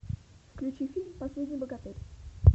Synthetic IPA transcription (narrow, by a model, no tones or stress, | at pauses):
fklʲʉt͡ɕifʲilʲmpɐsʲlʲedʲnʲɪjbəɡɐt̪etʲ